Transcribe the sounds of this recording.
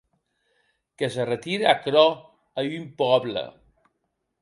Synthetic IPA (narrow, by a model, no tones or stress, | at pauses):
kəs̬ərət̪iɾəakɾɔ | əympɔβlə̰